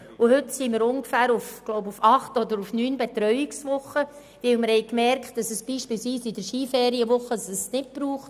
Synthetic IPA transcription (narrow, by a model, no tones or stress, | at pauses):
ʊhʏtsiːməɾʊŋɡ̥əfæːɾufɡ̥loʊbufɑχtɔd̪əɾufnyːnbet̪ɾœɥɪksʋʊχːə | ʋɪlməɾhɛɪkmɛɾkχt̚d̥ɑsəsb̥iːʃpilsʋiːsɪd̥əɾʃiːfɛːɾiəʋʊχːədsəsnɪt̚b̥ɾuːχt